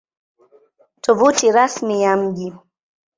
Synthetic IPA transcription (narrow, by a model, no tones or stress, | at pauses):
tɔvutiɾasmijam̩ʄi